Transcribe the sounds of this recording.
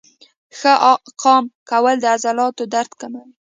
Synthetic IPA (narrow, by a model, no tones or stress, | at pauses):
xəʔqʰɑmkawəld̪əazalɑt̪od̪aɾt̪kəma